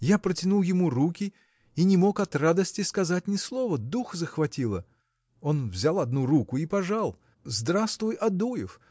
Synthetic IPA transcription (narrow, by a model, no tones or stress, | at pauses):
japɾətʲɪnulˠjɪmuɾukʲɪ | inʲɪmo̞kɐt̪rad̪əsʲtʲɪskɐzat̚ʲnʲɪslˠo̞vəd̪uxzəxvɐtʲilˠə | onvzʲalˠɐd̪nuɾukʊipɐʐalˠ | zd̪ɾast̪vʊjɐd̪ujɪf